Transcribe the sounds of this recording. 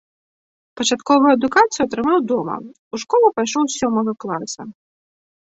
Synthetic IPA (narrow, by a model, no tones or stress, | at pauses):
pɐt͡ʂat̪kɔvɨjɐd̪ukat̪sɨjuɐt̪ɾɨmawd̪ɔmɐ̰ | uʂkɔlˠɐpajʂɔwsʲɔmɐɣɐklˠasɐ